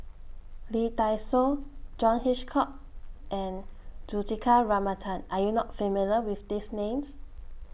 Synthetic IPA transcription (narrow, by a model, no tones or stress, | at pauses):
litajsod͡ʒɔ̃nhit͡ʃkʰɔk̚ | ʔɛ̃nd͡ʒutikʰaɹamatʰãnajunɔt̚femiləwifdisnẽms